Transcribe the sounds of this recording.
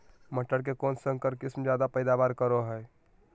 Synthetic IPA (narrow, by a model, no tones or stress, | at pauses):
məʈːəɽk̬ekoːnsə̃ŋkəɾkɪsmd͡ʒjaːd̪apəɪd̪abaːɾkəɾoɦəj